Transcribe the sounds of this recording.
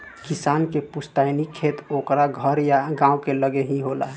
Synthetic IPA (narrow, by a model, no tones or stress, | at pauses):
kɪsaːnkepust̪aɪnikʰːet̪oːkɾaɡʱəɾjaɡãːwkeləɡeɦiɦola̰ɦɛ